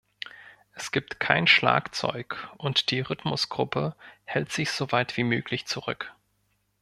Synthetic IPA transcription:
ʔɛsɡ̥iːp̚tkʰa̰ɪnʃla̰ːkt͡sɔ̰ʏkʔʊntd̥iːʁʏtmʊsɡ̥ʁʊpʰəhɛltz̥ɪçz̥ovaɪtv̥iːmøːkʰlɪçt͡suʁ̞ʏ̰k

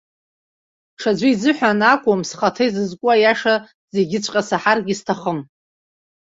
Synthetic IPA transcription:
ʂad͡ʒʷiizɨħʷᶣanakʷʼʊmsχatʰejzɨzkʷʼʊajaʂa | zeɡʲɪt͡ɕʷʰʼqʼasaħarɡʲistʰaχəm

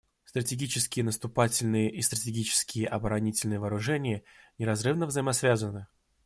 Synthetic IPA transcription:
st̪ɾətʲɪɡʲit͡ɕɪskʲɪjənəst̪ʊpatʲɪlʲnɨjəʔist̪ɾətʲɪɡʲit͡ɕɪ̥skʲɪjəʔɐbəɾɐnʲitʲɪlʲnɨjəvəːɾʊʐɛnʲɪjənʲɪɾɐzrɨvnəvzəjɪmɐsvʲazənɨ

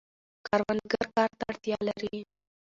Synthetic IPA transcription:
kɑɾwanɡaɾkɑɾt̪aaɽt̪jɑlaɾi

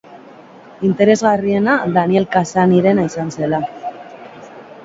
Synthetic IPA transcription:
int̪e̞ɾe̞zɣarie̞naðanie̞lkasaniɾe̞naisanse̞la

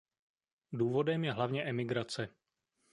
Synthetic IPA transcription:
duːvo̞dɛmjɛɦlavɲɛʔɛmɪɡɾat͡sɛ

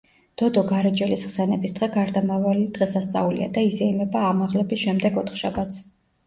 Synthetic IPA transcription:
d̪̥ɔd̪ɔɡaɾɛd͡ʒɛlisχsɛnɛbisd̪ʁɛɡaɾd̪amavalid̪̥ʁɛsast̪sʼa̰ulḭa̰d̪aizɛimɛbaːmaʁlɛbisʃɛmd̪ɛɡɔt̪ʰχʃabat̪sʰ

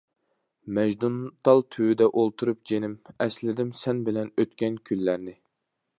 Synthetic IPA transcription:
mɛʒd̪unt̪ʰɑlˠt̪ʰywyd̪ɛʔolˠt̪ʰuɾup̚d͡ʒenɪmɛslɪd̪ɪmsɛnbɪlɛnøt̪kʲɛnkʲʰylːæɾnɪ

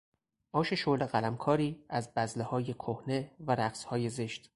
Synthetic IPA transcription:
ʔɒːʃe̞ʃoleɣælæmkʰɒːɾiːæzbæzlehɒːje̞kʰohne̞væɾæɡshɒːjeze̞ʃt̪

